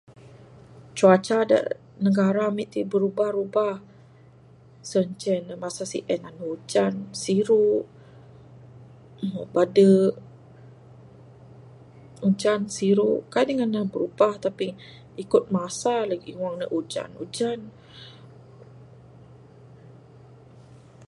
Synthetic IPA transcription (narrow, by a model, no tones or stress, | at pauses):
t͡ʃuat͡ʃada̰ʔ | nəɡaɾamiʔt̪ibəɾubahɾubah | səɲt͡ʃɛnəmasasḭʔɛnanud͡ʒansiɾuʔ | badə | ud͡ʒansiɾuʔkadəŋanːabəɾubaht̪api | ikʊt̪̚masalaɡiwaŋnəʔud͡ʒa̰nṵd͡ʒan